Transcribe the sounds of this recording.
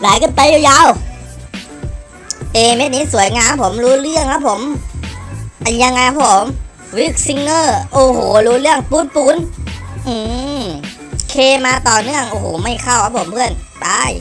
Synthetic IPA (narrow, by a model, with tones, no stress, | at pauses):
laː˨˦jkɯ˧˥˩npa˧juː˧ja˧˥˨w | ʔeː˧˩me˦˥t̚niː˦˥su˨˩˦əjŋaː˧mpʰo˩˦mluː˧˥lɯ˧˥˩əŋkʰa˧˦˥pʰo˨˩˦m | ʔa˧˩ja˧ŋːa˧jkʰa˧˥pʰo˨˩˦m | wi˦˥˩k̚si˧ŋːɤː˧˩ʔoː˧˩hoː˨˩˦luː˧˥lɯ˥˩əŋpuː˧˦˥npuː˧˦nʔɯː˧˩ | kʰeː˧maː˧t̪ɔː˨˩nɯ˧˥˩əŋʔoː˧˩hoː˨˩˦ma˧˥˩jkʰa˧˩wkʰa˦˥pʰo˩˦mpʰɯ˧˥˩ənbaː˧˥˩j